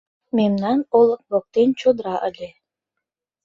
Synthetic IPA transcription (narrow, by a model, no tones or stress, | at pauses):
memnɑnolə̆k̚βok̚t̪ent͡ɕod̪ɾɑʔəlʲe